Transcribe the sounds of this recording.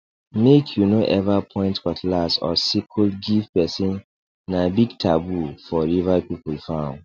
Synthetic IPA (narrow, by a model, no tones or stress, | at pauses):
mekʰjunoʔɛvapʰɔ̃ɪ̃ntkɔtʰlasɔ̰sikʰulɡifpɛsĩnː | ãbiɡtʰabufɔɹivapipulfãn